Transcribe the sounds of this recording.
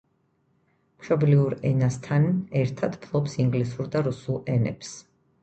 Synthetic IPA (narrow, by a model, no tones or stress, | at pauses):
mʃɔbliuɾɛnast̪ʰanɛɾt̪ʰad̪pʰlˠɔpsiŋɡlisuɾd̪aɾusulˠɛnɛ̰ps